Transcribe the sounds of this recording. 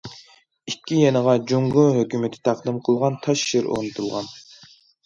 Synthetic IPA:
ikʲʰːijenəʁɑd͡ʒuŋɡuɦøkʲymɪt̪ʰɪ̥t̪ʰɑqd̪ɨmqʰəlˠʁɑnt̪ʰɑʃːiɾo̰ʁnɨt̪ʰulˠʁɑn

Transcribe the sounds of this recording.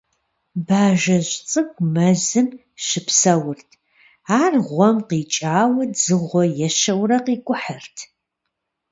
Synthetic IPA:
baːʒɐʑt͡sʼɨkʷmɐzɨm | ʃɪpʰsɐwʊrtʰ | aːrʁʷɔmqiːt͡ʃʼaːwɐd͡zɨʁʷɔjɛʃɐwrɐqiːkʷʼʊħərtʰ

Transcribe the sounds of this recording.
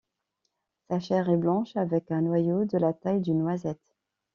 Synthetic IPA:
saʃɛʁɛblɑ̃ʃavɛkɛ̃nwajod̪əlat̪ajd̪ynːwazɛt̪

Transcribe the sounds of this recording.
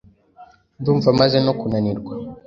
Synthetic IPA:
d̪uɱvamazenokunaniɾɡwa

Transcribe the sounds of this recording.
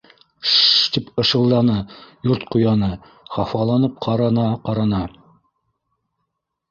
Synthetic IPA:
ʃt̪ipɤ̆ʃɤ̆lˠd̪ɑnɤjuɾt̪̚qŏjɑnɤ | χɑfɑlˠɑnɤp̚qʰɑɾɑnɑqɑɾɑnɑ

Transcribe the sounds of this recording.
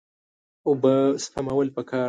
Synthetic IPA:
ʊbəspʰamawəlpəkʰɑː

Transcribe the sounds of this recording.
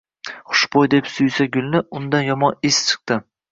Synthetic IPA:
χʊ̥ʃbojd̪e̞psʊjsaɡʲʊlˠnɪʊnd̪anjɒmɒnɪst͡ʃʰɨ̥q̚t̪ɪ

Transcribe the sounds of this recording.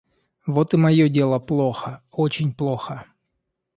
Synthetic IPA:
vot̪ɨmɐjodʲe̞lˠəplˠo̞xəot͡ɕɪnʲplˠoxə

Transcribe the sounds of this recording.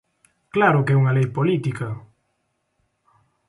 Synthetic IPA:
klaɾʊkɛuŋɐlejpolit̪ikɐ

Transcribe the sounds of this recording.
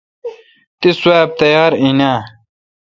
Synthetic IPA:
t̪iswaːb̚t̪ɐjaːɾinaː

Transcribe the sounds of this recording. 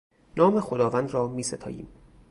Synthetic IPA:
nɒːmexod̪ɒːvæːnd̪ɾɒːmiːset̪ʰɒ̰ːjḭːm

